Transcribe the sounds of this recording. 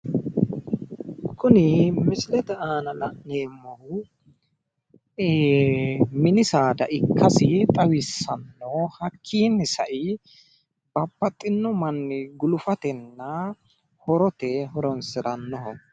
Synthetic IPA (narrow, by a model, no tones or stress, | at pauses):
kʊnɪmɪslɛt̪ɐaːnɐlɐʔneːmːɐhʊ | mɪnɪsaːd̪ɐ̰ʔɪkʰːɐsɪt̪ʼɐwɪsːɐnːɔhɐkʰːiːnːɪsɐʔɪ | b̥ɐpːɐt̪ʼːɪnːɔmɐnːɪɡʊlʊfɐt̪ɛnːɐ | hɔɾɔt̪ɛɦɔɾɔnsɪɾɐnːɔhɔ